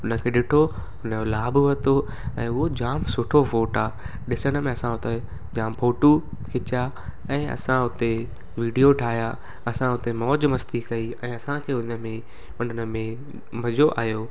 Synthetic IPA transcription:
ʊnə̆kʰeːɗɪʈʰo | ʊnəolaːbʋɐt̪o | ɛ̃ːʊɦod͡ʑaːmsʊʈʰofoːʈaː | ɗɪsəɽ̃əmẽɐsãɦʊt̪e | d͡ʑaːmpʰoːʈu | kʰɪt͡ɕja | ɛ̃ːɐ̰sãɦʊt̪e | ʋiːɖijoʈʰaːija | ɐsãɦʊt̪emɔːd͡ʑmɐst̪ikɐiɛ̃ːɐsãkʰeːʊnə̆mẽ | ʊnənə̆mẽ | mɐd͡ʑoʔa̰ːɦjoː

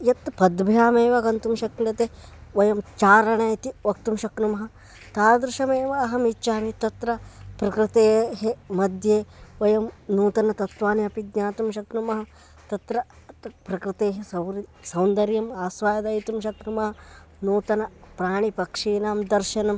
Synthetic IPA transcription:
jɐt̪pɐd̪bʱjaːmeːʋɐɡɐnt̪umʃɐknɐt̪eʋɐjɐmt͡ʃaːɾɐɳaːjt̪iʋɐk̚t̪umʃɐknumɐɦɐ̆ | t̪aːɾɐd̪ɾɪʃɐmeːʋɐːɦɐmit͡ʃːt͡ʃaːmit̪ɐt̪ɾɐpɾɐkɾɪt̪eːɦemɐd̪ʱjeːʋɐjɐmnuːt̪ɐnɐt̪ɐt̪ʋaːniɐpiɡ̪ɲaːt̪umʃ̬ɐknumɐɦɐ | t̪ɐt̪ɾɐ | pɾɐkɾɪt̪eːɦesɐwɾsɐwnd̪ɐɾjɐmaːsʋaːjɐd̪ɐjit̪umʃɐknumɐɦɐnuːt̪ɐnɐpɾaːɳ̃ipɐkʂiːnaːmd̪ɐɾʃɐnɐm

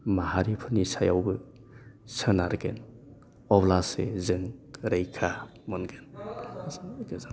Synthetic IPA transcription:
maɦaɾipʰɯnisajawbɯ | sənaɾɡen | ɔblasezɯŋɾejkʰa | mɯnɡen | kɯza

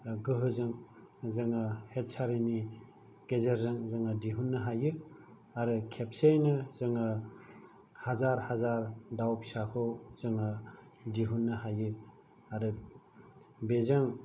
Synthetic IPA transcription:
ɡɯɦɯzɯŋ | zɯŋɯhet̚sʰaɾini | ɡ̥ezeɾzɯŋzɯŋadiɦunːɯɦajɯ | aɾɯkʰepsejnɯzɯŋɯ | hazaɾhazaɾdawpsakʰowzɯŋɯ | diɦunːɯɦajɯ | aɾɯ | bezaŋ

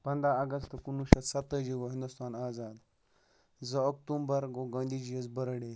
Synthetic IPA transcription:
pɐnd̪ɾaɐɡɐst̪ɐkunuʃɐsɐt̪ːəd͡ʒiɡoɦĩnd̪ust̪aːnaːzaːd̪ | zɐok̚t̪umbɐɾɡoɡɐ̃ːnd̪id͡ʒijɐzbɐɾɐɽe

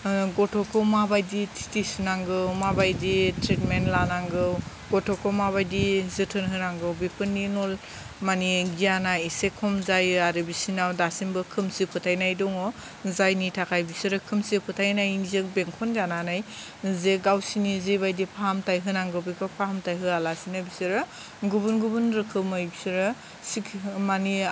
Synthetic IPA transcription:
ɡɔtʰɔkʰɯwmabajditʰi̥tisinaŋɡɯwmabajditɾitmentlanaŋɡɯw | ɡɔtʰɔkʰɯmaβajdizɯtʰɯnɦɯnaŋɡɯwbipʰɯnːinɔl | maniɡijanajisekʰɔmzajaɾɯbisinawdasinbɯkʰɯmsipʰɯtʰajnajdɔŋɔ | zajnitʰakʰajbisiɾɯkʰɯmsipʰɯtʰajnajiŋzek̚beŋkʰɔnzananaj | zeɡawsinizebajdipʰahamtajɦɯnaŋɡɯwbikʰɔpʰaɦamtajɦɯalasinabisɯɾɯ | ɡubunɡubunɾɯkʰɯmɯjbisiɾɯ | sikmani

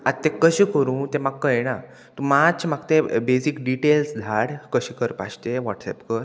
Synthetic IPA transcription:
at̪t̪ːekəɕĩkəɾũːt̪emaɡkəena | t̪umat͡ɕmaɡt̪ebesikɖiʈelsd̪ʱaɽkəɕiːkəɾpa̰ɕt̪eʋɔʈsɛ̰pkəɾ

